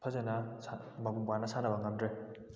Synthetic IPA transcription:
pʰɐzenɐsa | mɐɡumpanɐsʰanɐbɐŋɐmdɾe

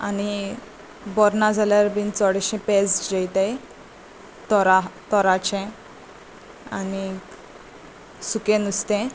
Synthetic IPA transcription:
a̰ni | bɔɾnad͡zalaɾbint͡sɔɽeɕɛ̃pesd͡ʑejt̪e | t̪ɔɾat̪ɔɾat͡ɕɛ̃ | ani | sukẽnust̪ɛ̃

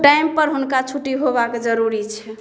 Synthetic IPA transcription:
ʈajmpəɾɦunkat͡ʃʰuʈiɦobakd͡ʒəɾuɾit͡ʃʰɛ

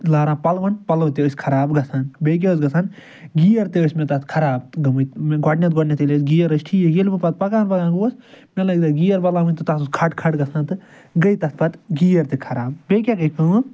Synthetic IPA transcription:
laːɾãːpɐlʋɐnpɐlʋt̪eosʲkʰɐɾaːbɡɐsʰaːnbeːk̬ʲeːs̬ɡɐsan | ɡiːjɐɾt̪eosmẽt̪ɐt̪kʰɐɾaːb̚t̪ɡɐmɨmeɡaːʈnʲat̪ɡwaːʈnʲat̪elesɡiːjɐɾɐsʈʰiːjejilbɨpɐt̪̚pɐkaːnpɐɡãːɡuɐsmelɐɡd̪ɐɡiːjɐɾbɐlaːʋɨnʲt̪ɨt̪asuskʰɐʈkʰɐʈɡɐsʰãːnt̪ɨ | ɡɐit̪ɐt̪pɐt̪ɡijɐɾt̪ekʰɐɾaːb̚beːkʲaɡɐikɐ

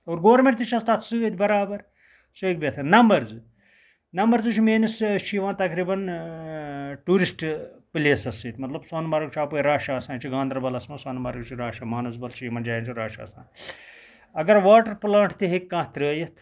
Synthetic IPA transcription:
oːɾɡoːɾmẽɳʈt̪it͡ʃʰɐst̪ɐt̪sɨːt̪ʲbɐɾaːbɐɾ | soikbʲet̪ʰɐnɐmbɐɾzɨ | nɐmbɐɾzɨt͡ʃʰimeːnɐst͡ʃʰiʋãːt̪ɐkɾiːbɐn | ʈuːɾisʈpleːsɐsiːt̪ʲmɐt̪lɐbsaːnbaɾɐkt͡ʃʰaːpuːiɾaːʃaːsãːt͡ʃʰiɡãːnd̪ɾɐbɐlɐsmɐ̃sɐːnbɐːɾkt͡ʃʰiɾaːʃaːmaːnɐsbɐlt͡ʃʰiiʋaːnd͡ʒaːjint͡ʃʰuɾaːʃa̰ːsã̰ː | ɐɡɐɾʋaːʈɐɾpulaːɳʈʰt̪iɦekːãːt̪ɾəːjɐt̪ʰ

